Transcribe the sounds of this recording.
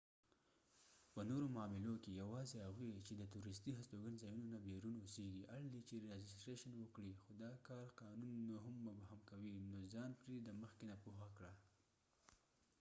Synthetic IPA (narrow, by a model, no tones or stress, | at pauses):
pənoɾomɑmɪlokejawɑzehaɣwit͡ʃed̪ət̪uɾɪst̪iɦast̪oɡanzɑjunonabeɾunoseɡiʔaɽlit͡ʃeɾed͡ʒɪstɾeʃanwəkɽixod̪ɑkɑɾqɑnunːoɦʊmːabahamkawinozɑnpɾed̪əməxkenapuxakɽa